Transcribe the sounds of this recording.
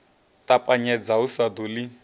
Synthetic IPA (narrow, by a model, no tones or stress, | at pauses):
tʼapʼaɲɛd͡zausad̪ulɪ